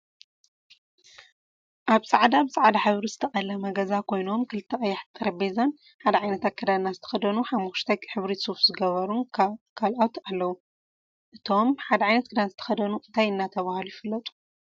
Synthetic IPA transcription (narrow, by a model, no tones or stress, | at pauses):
ʔaβsʼaʕd̪abɨsʼaʕad̪aħɨβɾizɨ̥t̪ʰɐχʼɐlɐmɐɡɐzakʰo̞jno̞mkʰɨlɨt̪ʰːɐχʼɐjːaħt̪ʼɐɾɐbezɐn | ħad̪ɐʕajnɐt̪akʰːɐd̪ad̪nazɨt̪ʰɐ̥xɐd̪ɐnuħamːuʃt̪ʰɐjħɨβɾisofzɨɡɐβɐɾunkʰalʔawt̪ʰalːɐwu | ʔɨt̪ʰo̞mħad̪ɐʕajnɐt̪̚kʰɨd̪anzɨt̪ʰɐ̥xɐd̪ɐnuʔɨnt̪ʰajɨnːat̪ʰɐβahlujfɨlːɐt̪ʼu̥